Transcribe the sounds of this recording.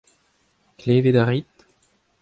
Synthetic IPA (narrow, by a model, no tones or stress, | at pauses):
kleːved̪aʁit̪